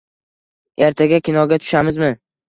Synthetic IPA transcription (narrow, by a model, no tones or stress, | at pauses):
e̞ɾt̪ʰaɡʲakʲɪnɒɡʲat̪ʰʊ̥ʃamɪzmɪ